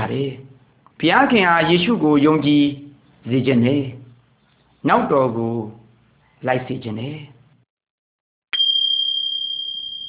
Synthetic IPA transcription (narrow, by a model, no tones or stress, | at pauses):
aɾɛ | pʰəjakʰɪ̃ʔajeʃṵɡojõʊ̃ɲt͡ɕi | zed͡ʑɪ̰̃ndɛ | naʊtːɔɡo | laɪʔsʰed͡ʑɪ̰̃ndɛ